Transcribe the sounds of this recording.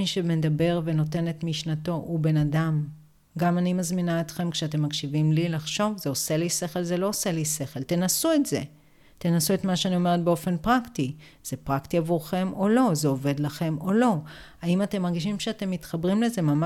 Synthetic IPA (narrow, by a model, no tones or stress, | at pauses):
iʃemedabe̞ʁve̞no̞te̞ne̞tmiʃnato̞ʔube̞nadam | ɡamanimazminaetχe̞mkʃeat̬e̞mːakʃivimlilaχʃo̞vzeose̞lise̞χe̞lzelo̞ose̞lise̞χe̞lte̞nasuetze̞ | tenasuetmaʃeanio̞me̞ʁet̚beo̞fe̞npʁakti | z̥epʁaktiavuʁχe̞mo̞lo̞zeo̞ve̞dlaχe̞mo̞lo̞ | aimate̞mːaʁɡiʃimʃeate̞mːitχabʁimle̞ze̞mam